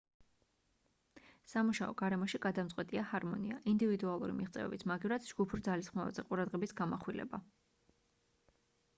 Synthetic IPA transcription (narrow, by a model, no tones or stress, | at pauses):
samuʃaɔɡ̥aɾɛmɔʃiɡ̥ad̪amt̪sʼqʼwɛt̪ʼiahaɾmɔniaʔind̪ivid̪ualˠuɾḭmiʁt̪sʼɛ̰vɛ̰bisʰmaɡivɾad̪d͡ʒɡupʰuɾd̪zalisχmava̰zɛqʼuɾad̪ʁɛbisɡamaχwilɛ̰ba